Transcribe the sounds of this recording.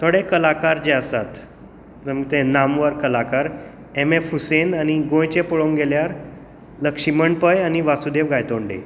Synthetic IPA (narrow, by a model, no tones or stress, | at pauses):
t̪ʰoɽekəlakaɾd͡ʑeəsat̪ | memt̪enamʋəɾkəlakaɾ | emefusenañiɡõjt͡ɕepɔɭoŋɡeljaɾ | ləkʂiməɳɖpəjaniʋasud̪eʋɡajt̪oɳɖḛ